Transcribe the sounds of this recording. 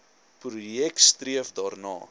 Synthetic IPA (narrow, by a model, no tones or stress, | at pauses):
prujɛk̚tstriəfdɑːrnɑ̰ː